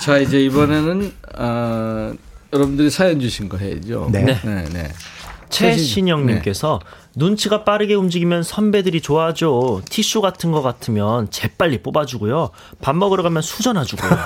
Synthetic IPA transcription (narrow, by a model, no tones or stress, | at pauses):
t͡ɕaid͡ʑe̞ibʌne̞nɯnʌ | jʌɾʌbundɯɾisʰajʌnd͡ʑuɕʰinɡʌɦḛd͡ʑo̰nne̞ne̞̰ne̞̰t͡ɕʰe̞ɕʰiɲʌŋɲimk͈e̞sʰʌ | nunt͡ɕʰiɡap͈aɾɯɡe̞umd͡ʑiɡimjʌnsʰʌnbe̞dɯɾit͡ɕoad͡ʑotʰiɕ͈ʰuɡatʰɯnɡʌk͈atʰɯmjʌnt͡ɕe̞p͈aʎːip͈obad͡ʑuɡujo | pamːʌɡɯɾɡamjʌnsʰud͡ʑʌnɦad͡ʑuɡojo